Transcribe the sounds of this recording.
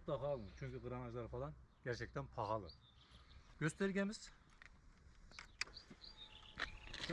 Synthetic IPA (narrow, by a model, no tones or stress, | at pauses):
t̪lˠɑχɑlˠɨt͡ʃʰyŋʲkʲiʁɨɾɑnɑʒlˠɑɾfʰɑlˠɑnɡʲʰɛɾt͡ʃʰɛk̚ʲt̪ʰɛnpʰɑʁɑlˠɨ̰ | ɡ̥ʲøst̪eɾɡʲɛmɪz̥